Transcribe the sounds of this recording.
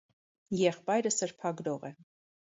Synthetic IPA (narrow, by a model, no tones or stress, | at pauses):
jɛχpɑjɾəsəɾpʰɑɡɾɔʁɛ